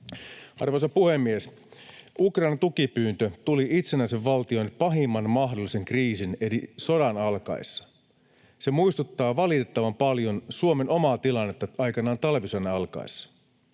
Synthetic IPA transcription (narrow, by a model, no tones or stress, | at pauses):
ɑ̰rʋosɑpuhemːies | ʔukrɑinɑnt̪ukipyːnt̪øt̪uliʔit̪senæise̞ʋːɑlt̪io̞jnpɑɦimːɑnmɑɦdo̞lise̞ŋkriːsineɾiso̞dɑnɑlkɑ̰isːɑ̥ | semuist̪ut̪ːɑːʋɑlit̪e̞t̪ːɑʋɑmpɑljo̞nsuome̞no̞mɑːt̪ilɑnːet̪ːɑɑjkɑnɑːnt̪ɑlʋisodɑɑlkɑ̰isːɑ̥